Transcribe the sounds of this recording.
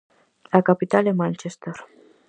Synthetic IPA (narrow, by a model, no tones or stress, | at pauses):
lakapit̪alemant͡ʃest̪er